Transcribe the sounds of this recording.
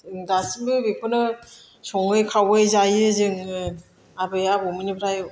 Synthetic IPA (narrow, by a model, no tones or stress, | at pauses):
ɯŋdasimbɯbepʰɯnɯ | sɔŋɯjkʰawɯjzajɯzɯŋɯ | abɯjabomɯnipʰɾajɯ